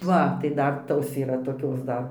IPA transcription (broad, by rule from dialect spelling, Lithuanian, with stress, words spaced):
ˈʋɐ tɐɪ ˈdɐr ˈtoːs iːˈrɐ toːˈkʲoːs ˈdɐr